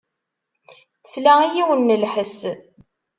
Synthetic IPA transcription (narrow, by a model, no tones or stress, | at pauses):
slæijiwənːəlħəs